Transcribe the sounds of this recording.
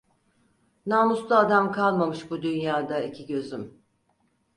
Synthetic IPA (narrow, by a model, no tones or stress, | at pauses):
naːmuslˠaːd̪amkʰalˠmamɯʃbud̪ynjaːd̪aicʰiɟøzym